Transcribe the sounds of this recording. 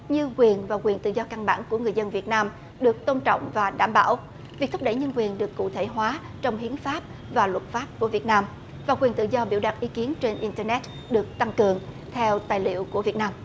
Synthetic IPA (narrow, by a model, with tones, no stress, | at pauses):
ɲɨ˧kwi˨˩ənvaː˨˩kwi˨˩ənt̪ɨ̰˧˨zɔ˧ka˧nɓa̰ː˧˩nku˧˩əŋɨ˨˩əjzə˧nvi˨˩ət̚naː˧m | ɗɨ˨˩ək̚t̪o˧nt͡ɕɔ̰˧˨wŋ͡mvaː˨˩ɗaː˧˩mɓa̰ː˧˩w | vi˨˩k̚t̪ʰp̚ɗə̰˧˩jɲə˧nkwi˨˩ənɗɨ˨˩əkːṵ˧˨t̪ʰe˧˩ɦwaː˨˦ | t͡ɕɔ˧wŋ͡mɦi˨˦ənfaː˦˥p̚ | vaː˨˩lwə˨˩t̚faː˦˥p̚ku˧˩əvət̚naː˧m | vaː˨˩kwi˨˩ənt̪ɨ̰˧˨zɔ˧ɓi˧˩wɗa˨˩t̚ʔi˨˦ki˨˦ənt͡ɕe˧nʔi˧nt̪ɛː˧nɛ˦˥t̚ | ɗɨ˨˩ək̚t̪a˧ŋkɨ˨˩əŋ | t̪ʰɛ˧wt̪aː˨˩jlḭ˧˨əwku˧˩əvi˨˩ət̚naː˧m